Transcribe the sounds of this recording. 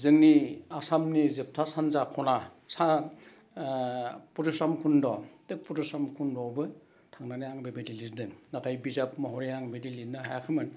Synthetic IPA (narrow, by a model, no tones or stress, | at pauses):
zɯŋniasamnizep̚tʰasanzakʰɔnasa | puɾɯsɾamkʰundɔtɯk̚puɾusamkʰundɔbɯ | tʰaŋnanajaŋbebediliɾdɯŋnatʰajbizapmɔɦɔɾiaŋbedilidnaɦajakʰɯmɯn